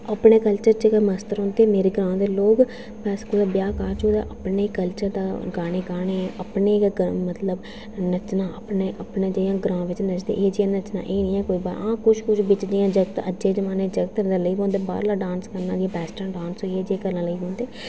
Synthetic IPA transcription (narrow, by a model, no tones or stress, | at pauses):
əpɳeːkəlt͡ʃəɾt͡ʃəkːməst̪əɾɦõːnd̪eːmeːɾeːɡɾãːd̪eːloːɡ | pɛːskod̪aːbjaːkaːɾt͡ʃoːd̪a̰ːʔəpneːkːəlt͡ʃəɾd̪aːɡaːɽeːɡaːɽ̃eːəpɳeːkɡmət̪ləb | nət͡ʃnãːəpneːʔəpnãːd͡ʒəjãːɡɾãːʋɪt͡ʃnət͡ʃd̪ḛːʔeːd͡ʒiːãːnət͡ʃna̰ːʔeːnĩːɛːkoːiːba̰ːɾãːkʊʃkʊʃʰbɪt͡ʃd͡ʒiːãːd͡ʒəɡt̪əd͡ʒd͡ʒeːd͡ʒəmaːnẽːd͡ʒəɡt̪əd̪aːləiːbõːnd̪eːba̰ːɾlaːɖãːnskəɾnãːd̪iãːpɛːsʈãːɖãːnsɦoːiɛːd͡ʒieːɡəlːãːləiːbõːnd̪eː